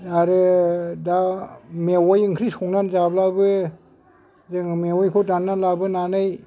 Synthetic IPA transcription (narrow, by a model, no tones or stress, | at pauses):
aɾɯdamewɔjɯŋkʰɾisɔŋnanzablabɯ | zɯŋmewɔjkʰodanːanlabɯnanɯj